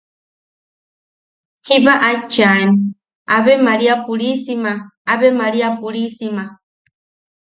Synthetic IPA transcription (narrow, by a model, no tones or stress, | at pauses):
hiβaʔat͡ʃani | aβemaɾiapuɾisimaaβemaɾiapuɾisima